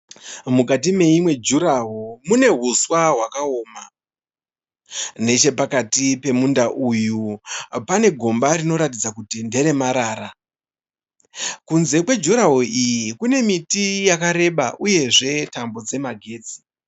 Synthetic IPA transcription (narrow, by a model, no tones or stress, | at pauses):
mukatime̞imwe̞d͡ʒuɾaɦomune̞ɦuswaɦwakaoːma | ne̞t͡ʃe̞pakatipe̞mundaʔujupane̞ɡʱo̞mbaɾino̞ɾatid͡zakutinde̞ɾe̞maɾaːɾa | kunze̞kwe̞d͡ʒuɾaɦoijikune̞mitijakaɾe̞ɓa̰ʔuje̞ʐe̞tambo̞d͡ze̞maɡʱe̞ːt͡si̥